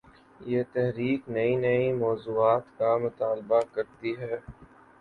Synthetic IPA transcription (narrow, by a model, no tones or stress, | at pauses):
jet̪ɛɦɾiːknɐinɐimɔːzuːaːt̪kamʊt̪aːlbakɐɾt̪iɦɛː